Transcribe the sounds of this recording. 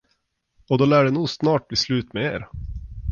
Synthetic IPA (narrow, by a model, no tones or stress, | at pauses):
ɔd̪ɔlæːɖɛnuːɡsnɑːʈ̚bliːslʉ̟ːt̪mɛeːɾ